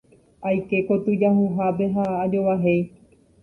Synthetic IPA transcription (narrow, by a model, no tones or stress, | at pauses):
ajke̞ko̞t̪ɨd͡ʒaɦuɦape̞ɦaːd͡ʒoʋaɦe̞j